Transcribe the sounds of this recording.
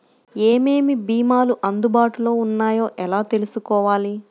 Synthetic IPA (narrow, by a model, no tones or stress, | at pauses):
eːme̞ːmibiːmaːluʔɐnd̪ubaːʈulo̞ːunːaːjo̞ːʔɛlaːt̪e̞lusukɔːʋaːli